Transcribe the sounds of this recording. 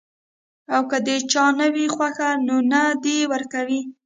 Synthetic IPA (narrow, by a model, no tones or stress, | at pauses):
awkəd̪ət͡ʃɑnəwixwaxanonad̪ewəɾkawi